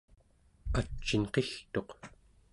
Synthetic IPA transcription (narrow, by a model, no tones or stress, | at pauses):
at͡ʃːinqext̪o̞q